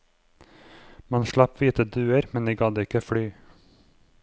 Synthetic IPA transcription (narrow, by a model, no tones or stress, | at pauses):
mɑnʃlɑpʋiːt̪əd̪ʉːəɾmɛniːɡɑd̪əɪkəfɽyː